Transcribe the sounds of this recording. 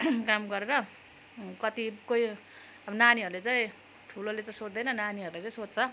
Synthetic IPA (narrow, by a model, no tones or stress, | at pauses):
kamɡʌɾeɾʌ | kʌt̪ikoi | ʌbʌnaniɦʌɾulet͡saĩ | ʈʰulolet͡saĩsod͡zd̪ʌjnʌnaniɦʌɾulat͡saĩsot͡st͡sʰʌ